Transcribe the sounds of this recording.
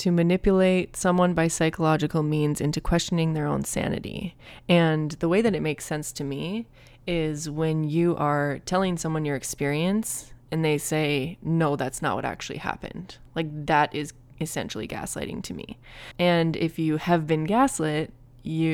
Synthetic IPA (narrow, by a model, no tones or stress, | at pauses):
tʰɨmɨnɪpjɨleɪtsʌ̃mwʌ̃nbaɪsaɪkəlɑd͡ʒɨkl̩ˠmĩnzɪ̃ntʉkʰw̥ɛst͡ʃɨnɪ̃ŋðə˞õʊ̃nsæ̰nɨ̰ɾḭɨ̃nðəweɪðɨɾɨt̚meɪksɛ̃nstʰɨmi | ɪzwɨ̃njɨʔə˞tʰɛlˠɪ̃ŋsʌ̃mwʌ̃njə˞ɨkspɪɹiɨ̃nsɨ̃nðeɪseɪnoʊðætsnə̰ʔ̚wʌ̰ɾæ̰k̚t͡ʃʉl̩ˠḭhæ̰pɨ̰̃nd̥laɪk̚ðɨɾʔɪz | ɨsɛ̰̃nʃl̩ˠḭɡæ̰slḛɪɾɪ̰̃ŋtʰɨmḭɨ̃nɪ̰fjɨɨvbɨ̃nɡæslɨt̚ | jɨ